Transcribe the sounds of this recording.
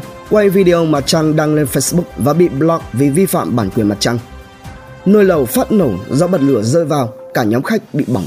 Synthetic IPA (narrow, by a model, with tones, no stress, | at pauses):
kwa˧jvi˧ɗi˧o˧ma˨˩t̚t͡ɕa˧ŋɗaː˧ŋle˧nfe˧jsɓʊ˦˥k̚vaː˨˩ɓḭ˧˨ɓlɔ˧˦˥k̚vi˨˩vi˧fa̰ː˧˨mɓaː˧˩nkwi˨˩əma˨˩t̚t͡ɕa˧ŋ | nəː˧jlə˨˩wfaː˦˥t̚nə˧˩wzɔ˧ɓə˨˩t̚lɨ˧˩əzəː˧jvaː˨˩wkaː˧˩ɲɔ˨˦mxa˦˥jk̚ɓḭ˧˨ɓɔ˧˩ŋ͡m